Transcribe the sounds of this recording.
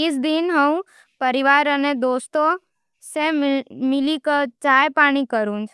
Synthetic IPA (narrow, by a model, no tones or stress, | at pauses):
ɪsd̪ɪnɦɐũ | pɐɾɪʋaːɾəned̪oːst̪o | semɪlikɐt͡ʃaːjpaːɽ̃ikɐɾũːnd͡ʒ